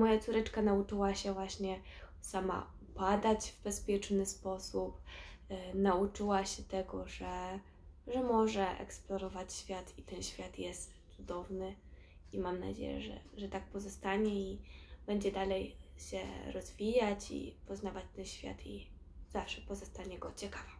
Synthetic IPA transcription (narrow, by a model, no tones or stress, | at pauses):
mɔjat̪suɾɛt͡ʂkanaut͡ʂɘwaɕɛvwaɕɲɛ | sama̰upad̪ad͡ʑvbɛspʲjɛt͡ʂnɘspɔsup | naut͡ʂɘwaɕɛt̪ɛɡɔʐɛ | ʐɛmɔʐɛʔɛ̰ksplɔɾɔvat͡ɕɕfʲjat̪it̪ɛnɕfʲjat̪jɛst̪sud̪ɔvnɘ | imamna̰d͡ʑḛjɛ̰ʐɛ̰ʐɛt̪ak̚pɔzɔst̪aɲɛib̥ɛɲd͡ʑɛd̪alɛjɕɛ̰ɾɔzvʲijat͡ɕḭpɔznavat͡ɕt̪ɛnɕfʲja̰t̪i | z̥afʂɛpɔzɔst̪aɲɛɡɔt͡ɕɛkava